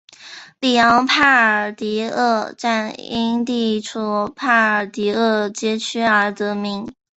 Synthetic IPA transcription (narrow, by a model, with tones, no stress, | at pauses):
li˨˩jɑ˧˥ŋpʰa˥˩ə˨˩t̪i˧˥ɤ˥˧ʈ͡ʂa˥˩ni˥nt̪i˥˩ʈ͡ʂʰu˨˩pʰa˥˩ə˨˩t̪i˧˥ɤ˥˩t͡ɕjɛ˥t͡ɕʰy˥ə˞˧˥t̪ɤ˧˥mi˧˥ŋ